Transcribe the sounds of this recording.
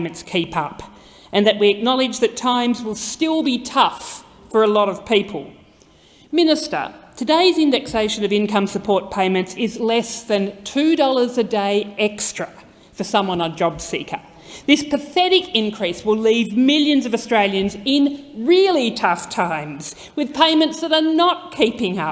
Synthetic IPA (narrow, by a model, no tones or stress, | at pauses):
ɪ̃mɨ̃ntskʰipʌp | ʔɨ̃nðɨʔ̚wiɨk̚nɑlˠɨd͡ʒðɨtʰãɪ̃mzwəlˠstɪlˠbitʰʌf | fə˞əlɔɾʌv̥pʰipʰəl̩ˠ | mɪ̃nɨstə̰˞tʰɨdeɪzɪ̃ndɛkseɪʃɨ̃nʌvɪ̃nkʰʌ̃msɨpʰɔɹt̚pʰẽɪ̃mɨ̃ntsɪzlɛsðɨ̃ntʰʉdɔlˠə˞zɨdeɪɛkstɹ̥ɨ | fə˞sʌ̃mwʌ̃nəd͡ʒɑbsḭkʰə̰˞ | ðɪspʰɨθɛɾɨkɪ̃nkʰɹ̥iswəlˠivmɪlˠjɨ̃nzʌvɨstɹ̥eɪlˠjɨ̃nzɪ̃nɹɪlˠitʰʌftʰãɪ̃mz̥ | wɨð̥pʰẽɪ̃mɨ̃ntsðɨɾə˞nət̚kʰipɪ̃ŋʌ